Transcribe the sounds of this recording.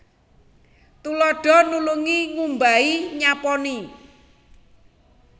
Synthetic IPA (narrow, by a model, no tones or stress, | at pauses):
t̪ulɔɖ̥ɔ̤nuluŋiŋumbaiɲapɔni